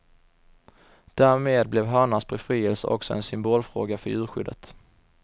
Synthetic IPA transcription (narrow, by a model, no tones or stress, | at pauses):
d̪̥æːɾmeːd̪̚blɛvɦɑːɳasbɛfɾiːɛlsəʔɔksɔɛ̰nsʏmboːlfɾo̰ːɡafœɾjʉ̟ːɾɧʏ̰d̪ət̪